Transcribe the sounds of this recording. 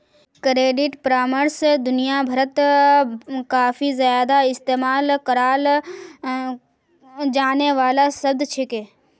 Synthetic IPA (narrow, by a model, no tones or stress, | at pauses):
kɾeːɖɪʈpɾaːməɾsd̪ʊnijabʱəɾət̪ | kaːfʰizjaːd̪aɪst̪eːmaːlkəɾaːl | d͡ʒaːneʋaːlasɐb̚d̪t͡ʃʰekeː